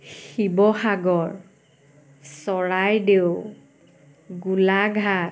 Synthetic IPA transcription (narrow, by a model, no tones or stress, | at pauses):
xibɔxaɡɔɹ | sɔɹajdew | ɡulaɡʱa